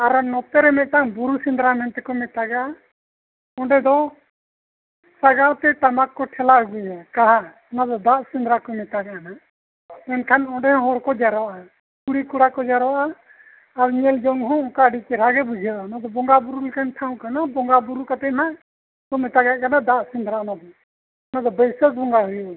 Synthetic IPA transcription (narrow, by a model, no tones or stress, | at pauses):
aɾnɔt̪ɛɾɛmɛt̪t̪aŋbuɾusind̪ɾamɛnt̪ɛkɔmɛt̪aɡaa | ɔ̃ɳɖɛd̪ɔ | saɡawt̪ɛt̪amakːɔʈʰɛlauɡujɛkaɦa | nad̪ɔd̪aʔsind̪ɾakɔmɛt̪aɡaʔana | ɛnkʰanɔɳɖɛhɔ̃ɦɔɽkɔd͡ʒaɾɔʔa | kuɽikuɽakɔd͡ʒaɾɔʔaː | ɾɲɛld͡ʒɔŋɦɔ̃ɔ̃kaɖikɛɾ̤aɡɛbud͡ʒʱaʔanad̪ɔbɔŋɡabuɾulɛkanʈʰaw̃kanabɔŋɡabuɾukat̪ɛnaʔ | kɔmɛt̪aɡakanad̪aʔsĩnd̪ɾaanad̪ɔ | nad̪ɔbəjsək̚bʱɔŋɡaɦujɔʔa